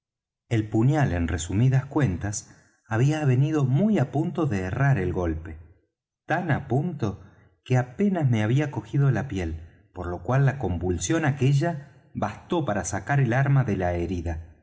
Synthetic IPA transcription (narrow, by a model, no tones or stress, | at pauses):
e̞lpuɲjale̞nresumiðaskwe̞nt̪as | aβ̞iaβe̞nið̞o̞mujapunt̪o̞ðeːraɾelɣo̞lpe̞ | t̪anapunt̪o̞ | keape̞nazme̞aβiako̞xið̞o̞lapje̞l | po̞ɾlo̞kwalːako̞mbulsjo̞nakeʒa | βast̪o̞paɾasakaɾelaɾmaðe̞laeɾiða